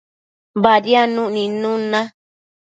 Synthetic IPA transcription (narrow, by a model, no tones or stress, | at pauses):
badianũʔnĩnũnã